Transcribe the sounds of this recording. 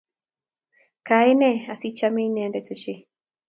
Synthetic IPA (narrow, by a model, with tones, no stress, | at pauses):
ka˨e˦nɛ˦a˨si˦t͡ʃa˦mi˦nɛ˨˦ndɛ˨tu˨t͡ʃi˦